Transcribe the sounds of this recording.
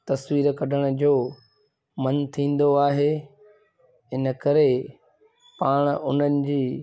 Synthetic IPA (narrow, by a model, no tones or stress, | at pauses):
t̪ɐswiːɾkɐɖʱəɽ̃ə̆d͡ʑoː | mɐnt̪ʰĩːn̆d̪oaːɦeː | ɪnə̆kɐɾe | paːɽ̃ʊn̤ənɪ̆d͡ʑiː